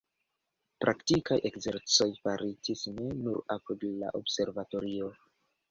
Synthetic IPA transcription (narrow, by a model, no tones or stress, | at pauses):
pɾʔaktikajʔe̞kze̞ɾt͡so̞jfaɾitisne̞nuɾapudla̰ʔo̰bse̞ɾvato̞ɾio̞